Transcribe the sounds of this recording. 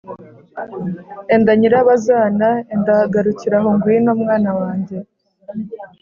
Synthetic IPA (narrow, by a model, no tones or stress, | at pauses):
endaɲiɾaβazaːnaendaɡaɾuciɾaɦoŋɡwinoːmŋaːnawaːɲɟe̞